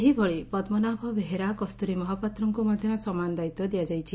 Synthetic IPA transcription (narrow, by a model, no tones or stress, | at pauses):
eɦibɔɭipɔd̪mɔnabʱɔbeɦeɾakɔst̪uɾimɔɦɔpat̪ɾɔŋkumɔd̪ʱjɔsɔmanɔd̪ajt̪ɔd̪ijad͡ʒajt͡ʃʰi